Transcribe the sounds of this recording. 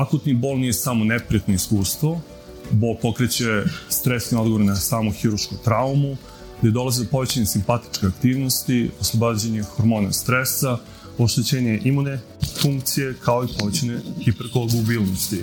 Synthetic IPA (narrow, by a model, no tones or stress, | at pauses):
akut̪nibo̞lˠnije̞saːmonepɾijat̪noiskuːst̪vʋo | bo̞ːlˠpo̞kɾet͡ɕest̪ɾesnio̞d̪ɡooɾenasaːmoxiɾuɾʃkomt̪ɾaumu | ɡd̪e̞d̪o̞lˠazid̪opo̞ʋet͡ɕaɲesimpat̪i̥t͡ʂkʲeakt̪iːʋnost̪ioslˠobaːd͡ʑeɲe̞xoɾmo̞ːnast̪ɾesa | oʃt̪et͡ɕeːɲe̞ʔimune | fuŋkt̪sijekʰaoipoʋet͡ɕanexipeɾkoloɡubiːlˠnost̪i